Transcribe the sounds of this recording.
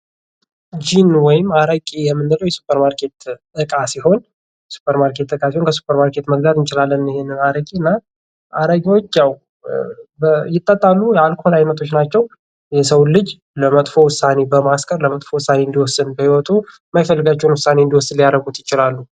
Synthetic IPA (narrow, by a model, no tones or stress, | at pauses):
d͡ʒinwɔjɪmːaɾəkʼijɛmːɨnːɨləwjɛsu̥pʰʼːəɾmaɾkʰe̞t̪ːʼ | ɨkʼasiho̞n | jɛsu̥pːəɾmaɾkʰe̞t̪ːɨkʼasiho̞nkʰəsu̥pʰʼːəɾmaɾkʰe̞t̪məɡlad̪ɨnt͡ʃʼɪlalːənɪhenːɨnaɾəkʼiɨnːa | ʔaɾəɡʼiwo̞t͡ʃːjaw | bəjɪt̪ʼːət̪ʼːalːujɛalkʰolajnːət̪ʰo̞t͡ʃːnat͡ʃːɛw | jɛsəwlɨd͡ʒ | ləmət̪ʼfo̞wʊsane̞bəmaskʼəɾləmət̪ʼfowʊsːane̞nd̪iwɔsːɨnbəhiwɔt̪ʰu | mːajfəlːɨɡat͡ʃːɛhnwʊsːane̞ɨnd̪iwɔsːɨlijaɾəɡut̪jɪt͡ʃɪlalːu